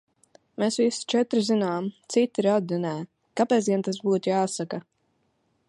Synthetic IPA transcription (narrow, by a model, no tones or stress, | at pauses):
mesvist͡ʃɛt̪ɾizinaːmt̪sit̪iɾad̪inɛː | kapɛːsɡʲɛnt̪asbuːt̪jaːsaka